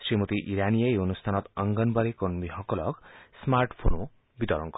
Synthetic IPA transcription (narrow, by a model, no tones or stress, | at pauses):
sɾimut̪iʔiɾanijajonust̪ʰanɔt̪ʌŋɡʌnbʌɾikonmiɦɔkɔlɔksmaɾʈpʰonu | bit̪ɔɾɔŋkɔ